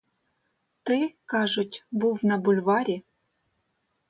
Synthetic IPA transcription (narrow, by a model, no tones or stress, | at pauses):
t̪ɨkɑʐʊtʲbuwnɐbulʲvɑɾʲi